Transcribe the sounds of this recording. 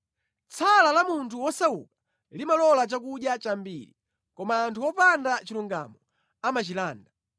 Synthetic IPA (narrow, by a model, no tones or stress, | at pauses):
t͡sʰalalamuntʰuwɔsaukḁ | limalɔlat͡ʃak̬uɗjat͡ʃambḭɾḭ | kɔmaːntʰuwɔpandat͡ʃiluŋɡa̰mɔ | amat͡ʃilaːnda